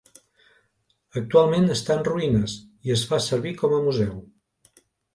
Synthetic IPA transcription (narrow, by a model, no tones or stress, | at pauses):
ək̚t̪ualˠmenəst̪anruinəs | iəzfasəɾβikɔməmuzɛw